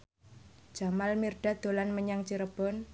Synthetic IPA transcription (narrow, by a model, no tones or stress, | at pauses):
d̥d͡ʒ̥a̤malmirɖ̥a̤d̪̥o̤lanməɲaŋt͡ʃiɾəb̥ɔn